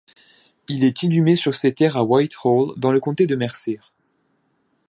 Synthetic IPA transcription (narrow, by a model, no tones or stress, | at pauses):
ilɛt̪ʰilymesyʁsɛt̪ɛʁawajt̪χold̪ɑ̃ləkɔ̃t̪ed̪əmɛʁsɛʁ